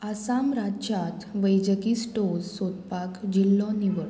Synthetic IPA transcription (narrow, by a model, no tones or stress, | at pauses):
asamɾat͡ɕat̪ʋəjd͡ʑəkiːsʈoɾsot̪̚pakd͡ʑilːɔ̃niʋəɾ